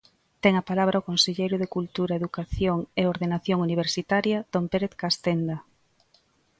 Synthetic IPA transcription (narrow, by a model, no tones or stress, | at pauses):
t̪ɛŋɐpalaβ̞ɾʔaokonseʎejɾʊðekult̪uɾaeðukaθjoŋeoɾðenaθjoŋuniβ̞eɾsit̪aɾjɐd̪̥ompeɾeθkast̪end̪a